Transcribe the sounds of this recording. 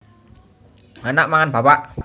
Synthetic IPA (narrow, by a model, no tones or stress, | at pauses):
ŋanaʔmaŋanb̥a̤paʔ